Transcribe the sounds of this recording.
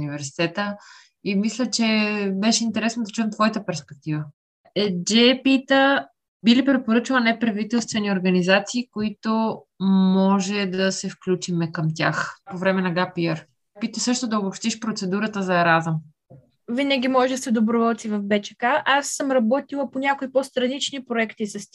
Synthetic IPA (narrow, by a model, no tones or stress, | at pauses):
nivɛɾsi̥t̪ɛt̪ə | imislʲət͡ʃɛbɛʃɛint̪ɛɾɛsnod̪ɐt͡ʃuɛmt̪vɔjit̪əpɛɾspɛk̚t̪ivə | ɛd͡ʒɛpit̪ə | bilipɾɛpoɾɤt͡ʃilˠənɛpɾɐvit̪ɛlˠst̪vɛnioɾɡɐnizat̪siːkoit̪o | mɔʒɛd̪ɐsɛfklʲut͡ʃimɛkɐmt̪ʲjaxpovɾɛmɛnɐɡapiɛɾ | pit̪əsɤʃt̪od̪ɐobopʃt̪iʃpɾot̪sɛd̪uɾət̪əzɐɛɾazəm | vinəɡʲimɔʒɛd̪əsɛd̪obɾʊvɔlˠt̪sivɐfbɛt͡ʃɛ̥kaʔasːəmɾɐbɔt̪ilˠɐponʲjakoipost̪ɾɐnit͡ʃnipɾoɛkt̪isɐst̪ʲ